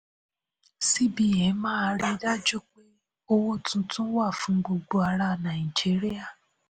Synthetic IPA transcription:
si˦bi˨e˨˦mãː˦˧˦ɾe˧˦da˦d͡ʒu˦k͡pe˦ | o˦wo˦tʰũ˧˦tũ˦wa˦˨fũ˧˦ɡ͡bo˧ɡ͡bo˧a˧ɾa˧˨nã˨i˨d͡ʒi˨˦ɾi˦a˦˨

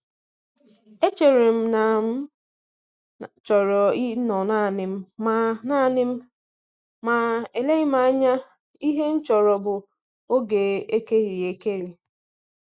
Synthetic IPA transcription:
e˦t͡ʃe˨ɾe˨m̩˦na˨m˦ | t͡ʃɔ˨ɾɔ˨i˦nɔ˨na˦˨nɪ˨m̩˦a˨na˦˨nɪ˦m̩˦ | ma˨e˨le˦ɪ˦ma˦a˦ɲa˦ | i˦ɦe˦n̩˦t͡ʃɔ˨ɾɔ˨bʊ˨ | o˦ɡe˨e˦ke˦ɾi˨e˨ke˦ɾi˨

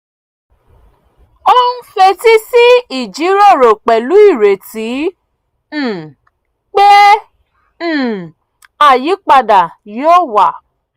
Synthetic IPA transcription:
o˦n̩˦fe˧ti˦si˦i˨d͡ʒi˨˦ɾo˦˨ɾo˨k͡pɛ˨lu˨˦i˦˨ɾe˨ti˨˦˨ | k͡pe˦˨ | a˨ji˨˦k͡pa˧da˨jo˦wa˨

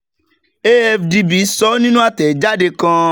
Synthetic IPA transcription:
e˦ɛ˧fdi˧bi˨˦sɔ˨˦nĩ˦nũ˦a˦tɛ˨d͡ʒa˦de˧kã˧

